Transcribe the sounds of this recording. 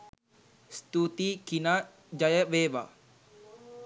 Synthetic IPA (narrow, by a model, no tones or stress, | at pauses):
st̪ut̪ikina | d͡ʒajəweba̰